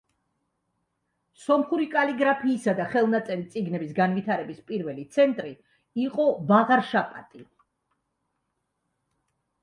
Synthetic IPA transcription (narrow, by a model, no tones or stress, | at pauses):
sɔmχuɾikʼaliɡɾapʰiːsad̪aχɛlˠnat̪sʼɛɾit̪sʼiɡnɛbisɡanvit̪ʰaɾɛbispʼiɾvɛlit̪sʰɛnt̪ʼɾi | iqʼɔbaʁaɾʃapʼa̰t̪ʼi